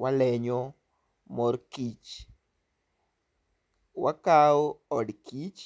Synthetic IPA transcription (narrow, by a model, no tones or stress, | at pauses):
walɛɲo | mɔrkit͡ʃ | wakaɔdkit͡ʃ